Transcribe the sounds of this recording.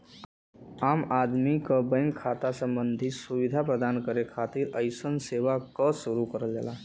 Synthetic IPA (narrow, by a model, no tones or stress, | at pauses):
amad̪mikəbə̃ŋkʰːat̪asəmbənd̪ʱisuʋid̪ʱapɾəd̪ankəɾekʰat̪iɾəjsənseʋakəsuɾukəɾəld͡ʒḛla